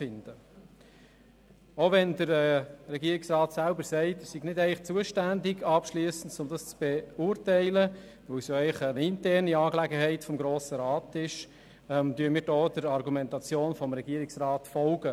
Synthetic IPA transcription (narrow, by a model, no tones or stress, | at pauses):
t͡sfɪnd̥ə | oʋɛndəɾɛrɛɡiːəɪksrɑːtsælbəɾsɛɪtəssiɡnɪdɛɪlɪχt͡suəʃtændɪɡɑpʃlyəsən̩tt͡sʊmd̪ɑst͡sb̥ɛʊrtæɪlə | ʋɵwsjoɛɪχənɪntɛrniɑːklæɡəɦɛɪtfɔmɡɾoːsəɾɑːtɪʃ | mtyːəmiːɾdɔːd̥əɾɑrɡumɛntɑt͡sjoːnfɔmɾɛɡiːɾɪksrɑːtfɔlɡə